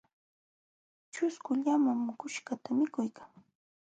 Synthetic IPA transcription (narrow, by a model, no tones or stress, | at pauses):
t͡ʃʊskʊʎamamkʊʃkat̪amɪkʊjkaŋ